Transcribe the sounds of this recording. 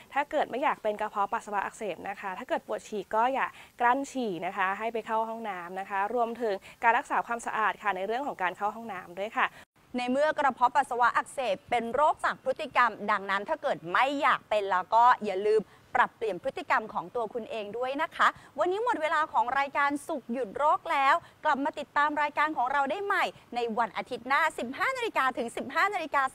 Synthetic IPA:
t̪ʰaː˥˩kɤː˨˩t̪̚ma˥˩jaː˨˩k̚pe˧nkɾa˧pʰɔ˦˥pa˨˩t̪sa˧wa˦˥ʔa˨˩seː˨˩p̚na˦˥kʰa˦˥t̪ʰaː˥˩kɤː˨˩t̪̚pu˨˩ət̪̚t͡ɕʰiː˨˩kɔː˥˩jaː˨˩kkːla˥˩nt͡ɕʰiː˨˩na˦˥kʰa˦˥ɦa˥˩jpa˧jkʰa˥˩wɦɔ˥˩ŋnaː˦˥mna˦kʰa˦˥ɾu˧əmt̪ʰɯ˩˦ŋkaː˧nɾa˦˥k̚saː˩˦kʰwaː˧msa̰˧ʔaː˨˩t̪̚kʰa˥˩na˧jɾɯ˥˩əkʰɔː˩˦ŋkaː˧nkʰa˥˩wɦɔ˥˩ŋnaː˦˥mdu˥˩əjkʰa˥˩ | na˧jmɯ˥˩əkɾa˧pʰɔ˦˥pa˨˩sa˧wa˦˥ʔa˨˩k̚seː˨˩p̚pːe˧nɾoː˥˩k̚t͡ɕa˨˩k̚pʰɾɯ˦˥t̪ːi˧ka˧mda˧ŋna˦˥nt̪ʰaː˥˩kɤː˨˩t̪̚ma˥˩jːaː˨˩k̚pe˧nlɛː˦˥wkɔː˥˩ja˨˩lɯː˧m | pɾa˨˩pːli˨˩ənpʰɯ˦˥t̪ːi˨˩ka˧mkʰɔː˩˦ŋt̪u˧ɐkʰu˧nʔeː˧ŋdu˥˩əjna˦˥kʰa˦˥wa˧nːiː˦˥mo˨˩t̪̚weː˧laː˧kʰɔː˩˦ŋɾaː˧jkaː˧nsu˨˩k̚ju˨˩t̪̚ɾoː˥˩k̚lɛː˦˥wkla˨˩p̚maː˧t̪i˨˩t̪ːaː˧mɾaː˧jkaː˧nkʰɔː˩˦ŋɾa˧wdaː˥˩jma˨˩jna˧jwa˧nʔa˧t̪ʰi˦˥t̪̚naː˥˩si˨˩p̚ɦaː˥˩naː˧li˧kaː˧t̪ʰɯ˩˦ŋsi˨˩p̚ɦaː˥˩naː˧li˧kaː˧

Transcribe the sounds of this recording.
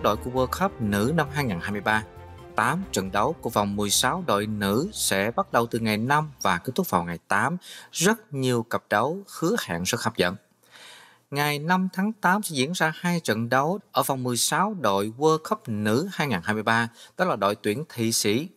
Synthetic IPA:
ɗo̰˧˨jku˧˩əvəː˧xə˦˥p̚nɨ̰˧˥na˧mɦaː˧jŋaː˨˩nha˧jmɨ˧jɓaː˧ | t̪aː˨˦mt͡ɕə̰˧˨nɗə˨˦wku˧˩əva˨˩wŋ͡mmɨ˨˩əjsa˨˦wɗo̰˧˨jnɨ̰˧˥sɛ̰˧˥ɓa˦˥t̚ɗə˨˩wt̪ɨ˨˩ŋa˨˩jna˧mvaː˨˩kːt̪ʊ˦˥k̚va˨˩wŋa˨˩jt̪aː˨˦mzə˦˥t̚ɲi˨˩əwkə˨˩p̚ɗə˨˦wxɨ˨˦əha̰ː˧˨ŋzə˦˥xa˧˥p̚zə̰˧˨n | ŋa˨˩jna˧mt̪ʰaː˨˦ŋt̪aː˨˦msɛ̰˧˥zḭ˧˥ənzaː˧haː˧jt͡ɕə̰˧˨nɗə˨˦wʔəː˧˩va˨˩wŋ͡mmɨ˨˩əjsaː˨˦wɗo̰˧˨jvəː˧xə˦˥p̚nɨ̰˧˥haː˧jŋaː˨˩nhaː˧jmɨ˧jɓaː˧ɗɔ˨˦˥laː˨˩ɗo̰˧˨jt̪wi˧˩ənt̪ʰḭ˧˨sḭ˧˥

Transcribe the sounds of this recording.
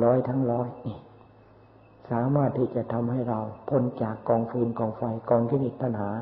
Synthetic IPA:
lɔː˦˥jt̪ʰa˦˥ŋɾɔː˦˥ji˧˩ | saː˩˦maː˥˩t̪ʰːiː˧˩t͡ɕa˧˩t̪ʰa˧mha˥˩jɾa˧wpʰo˧˩˨nt͡ɕaː˨˩kːɔː˧ŋfʰɯ˧nkɔː˧ŋfa˧jkɔː˧ŋkʰe˧˥ne˨˩t̪̚p̪ʰa˧nɦaː˩˦

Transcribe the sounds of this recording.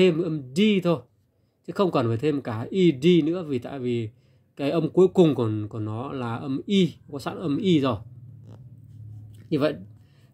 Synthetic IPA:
e˧m˩ʔə˧mɗi˧t̪ʰo˧j | t͡ɕɨ˨˦xə˧wŋ͡mkɔ˨˩nvəː˨˩jt̪ʰe˧m˩kaː˧˩ʔi˧ɗi˧nɨ̰˧˥əvi˨˩t̪a̰ː˧˨jvi˨˩ | kaː˨˦jʔə˧mku˨˦əjkʊ˨˩ŋ͡mku˧˩ku˧˩ənɔ˨˦laː˨˩ʔə˧mʔi˧˨˦kɔ˨˦sa̰ː˧˥nʔə˧mʔi˧zo˨˩j | ɲɨ˧və̰˧˨ʔ

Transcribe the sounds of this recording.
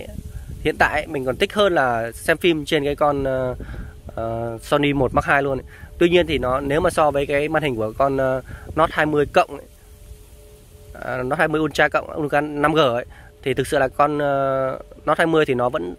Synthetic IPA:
hḭ˧˨ənt̪a̰ː˧˨jʔmï˨˩ŋ̟kɔ˨˩nt̪ï˦˥k̟̚həː˧nlaː˨˩sɛ˧mfi˧mt͡ɕe˧nkaː˨˦jkɔ˧n˧ | ə˨˩sɔ˧ni˧mo˨˩t̚ma˦˥t̚haː˧jlu˧ənʔt̪wi˧ɲi˧ənt̪ʰi˨˩nɔ˨˦ne˨˦wmaː˨˩sɔ˧vəː˨˦jkaː˨˦jmaː˧nhi˨˩ŋ̟ku˧˩əkɔ˧nː˧˩ɔ˦˥t̚haː˧jmɨ˧əjkə̰˧˨wŋ͡mʔə˧˨˦ | nɔ˦˥t̚haː˧jmɨ˧əjʔu˧ənt͡ɕaː˧kə̰˧˨wŋ͡mʔṵ˧nkaː˨˧˦na˧mɣəː˧˩ʔə˧˦j | t̪ʰi˨˩ɨ˨˩k̚sɨ̰˧˨laː˨˩kɔ˧nː˧nɔ˦˥t̚haː˧jmɨ˧əjt̪ʰi˨˩nɔ˨˦və̰˧˥n

